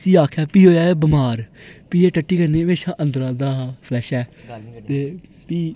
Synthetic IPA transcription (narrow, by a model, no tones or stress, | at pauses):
siːaːkʰɛːpiːɦoːjaːeːbəmaːɾpiːeːʈəʈːiːkəɾneːɦəmeːʃãːʔənd̪ɾãːd̪aːpʰlɛːʃɛːt̪eː | piː